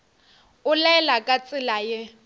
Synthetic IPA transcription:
ʊlɛlakʼat͡sʼɪlajɪ

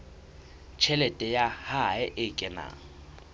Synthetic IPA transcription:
t͡ʃʰɛlɛtʼɛjahaɛʔɪkʼɛna̰ː

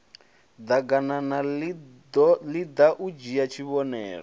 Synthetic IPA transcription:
d̪aɡanana | lid̪aʔud͡ʒijat͡ʃʰiβɔnɛːɺɔ

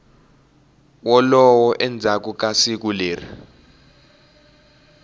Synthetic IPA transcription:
wɔlɔwɔʔɛnd͡zʱak̬uk̬asik̬uleːrḭ

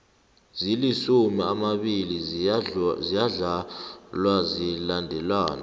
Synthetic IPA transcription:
zilisumiamaɓili | zijaɮalwazilandʱɛlwaːna̰

